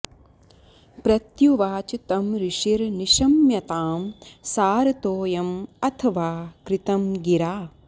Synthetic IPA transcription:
pɾɐt̪juʋaːt͡ʃɐt̪ɐmɾiʂiɾniʃɐmjɐt̪aːmsaːɾɐt̪oːjɐmɐt̪ʰɐʋaːkɾɪt̪ɐmɡiɾaː

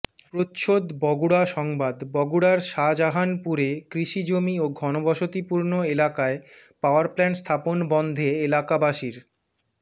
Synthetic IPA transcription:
pɾot̪ʃod̪bɔɡuɽaʃɔŋbad̪bɔɡuɽaɾʃad͡ʑaɦanpuɾekɾiʃid͡ʑomioɡʱɔnobʱɔʃot̪ipuɾnoelakaepaoaɾplɛnst̪ʰaponbɔnd̪ʱeelakabaʃiɾ

